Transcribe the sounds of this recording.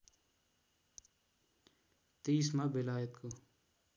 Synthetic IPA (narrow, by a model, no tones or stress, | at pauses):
t̪iːsmabɪlaːjət̪kʰo